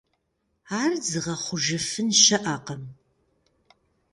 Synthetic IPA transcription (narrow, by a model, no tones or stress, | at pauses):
aːrzɨʁɐχʷʊʒɐfɨnʃɐʔaːqɐm